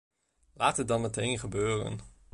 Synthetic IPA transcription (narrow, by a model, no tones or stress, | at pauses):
laːtət̚dɑnmətejnχəbøːrə̰n